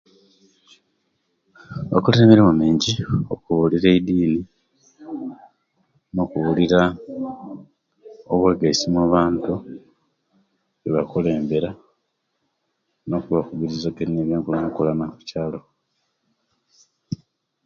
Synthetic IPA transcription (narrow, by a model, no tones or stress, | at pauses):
βa̰kole̞ːmbeɾemumeːɲɟio̞kuβuliɾe̞idiːni | no̞kuβuliɾa | oβwe̞ːɡaisimaβaːntu | βeβakole̞ːmbe̞ɾa | no̞kuβakuβiɾizaɡenineβjeːŋkulanakolanaku̥caːlo̞